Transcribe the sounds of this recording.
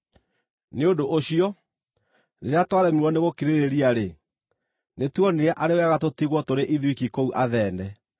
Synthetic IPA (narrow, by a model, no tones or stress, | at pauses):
neodoʔoɕiɔ | neɾeatwaɾɛmiwɔneɣokiɾeɾeɾiaɾe | netwɔneɛʔaɾewɛɣatotiɣwɔtoɾeʔiðwikikouʔaðɛːndɛ